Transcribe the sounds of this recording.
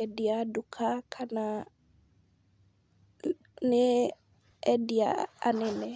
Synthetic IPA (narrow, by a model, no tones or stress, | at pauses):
ɛdiadukʰakʰana | ne | ɛdia̰a̰nɛnɛ